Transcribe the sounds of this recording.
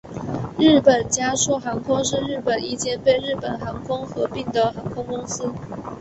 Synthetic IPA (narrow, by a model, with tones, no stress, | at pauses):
ɻ̩˥˩pə˨˩nt͡ɕja˥ʂu˥˩xɑ˧˥ŋkʰʊ˥ŋʂɻ̩˥˧ɻɻ̩˥˩pə˨˩ni˥˩t͡ɕjɛ˥npe˥˧ɪɻɻ̩˥˩pə˨˩nxɑ˧˥ŋkʰʊ˥ŋxɤ˧˥pi˥˩ŋd̪ə˨xɑ˧˥ŋkʰʊ˥ŋkʊ˥ŋs̩˥